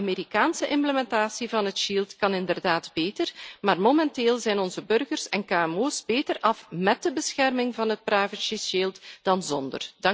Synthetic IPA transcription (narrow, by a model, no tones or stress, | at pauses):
ɑmeːɾikaːnsəʔɪmpləmɛntaːsivɑnɦətʃiːlˠtkɑnɪndərdaːdbeːtərmaːrmomɛnteːlˠzɛjnɔnzəbɵrɣərsɛnkaːɛmoːsbeːtərʔɑfmɛt̚dəbəsxɛrmɪŋvɑnɦət̚praːvəʃisiːlˠtd̥ɑnzɔndə̰rd̥ɑ